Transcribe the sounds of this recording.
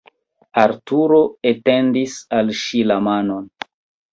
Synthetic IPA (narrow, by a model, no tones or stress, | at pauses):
aɾtuɾo̞ete̞ndisalʃilamano̞n